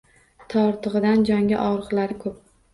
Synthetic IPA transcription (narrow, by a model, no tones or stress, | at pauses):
t̪ʰɒɾt̪ʰɨʁɨd̪and͡ʒɒŋɡʲaʔɒɾəʁlaɾɪkʰɵp̚